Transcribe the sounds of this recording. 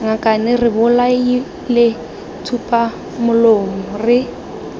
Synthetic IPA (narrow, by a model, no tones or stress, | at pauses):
ŋakʼanɪrɪbʊlai | lɪ | tʰupʼa | mʊlomʊrɪ